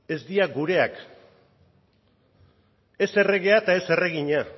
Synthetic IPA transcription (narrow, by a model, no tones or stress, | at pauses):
e̞zd̪iaɡuɾe̞ak | e̞se̞re̞ɣe̞at̪ae̞se̞re̞ɣ̞iɲa